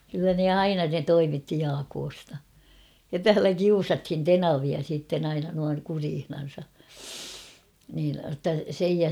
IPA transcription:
kylːæ ne ɑinɑ ne toimitːi jɑːkoːstɑ jɑ tæːlæ kiusɑthin tenɑʋiɑ siːtːen ɑinɑ nuɑŋ kuriːhnɑn̞sɑ niːn n̆otːɑ sej jɑ

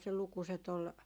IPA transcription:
se lukuset ol

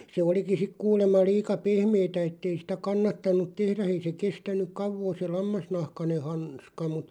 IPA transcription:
se oliki sik kuːlemˑɑ liːkɑ pehmeːtæ etːei sĭtæ kɑnːɑtɑnˑut̆ tehræ ei se kestænˑyk̆ kɑuʋoː se lɑmːɑsnɑhkɑne hɑns kɑ mut

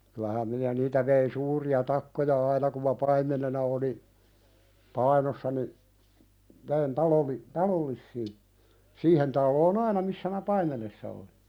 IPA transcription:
kylæhæm minæ niːtæ ʋein suːriɑ tɑkːojɑ ɑinɑ kum mɑ pɑimˑenenɑ oli pɑinosːɑ ni ʋein tɑloli tɑlolˑisːiː siːhen tɑlːoːn ɑinɑ misːæ mæ pɑimenesːɑ oli

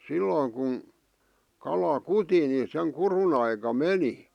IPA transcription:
silːoiŋ kun kɑlɑ kuti ni seŋ kurun ɑikɑ meni

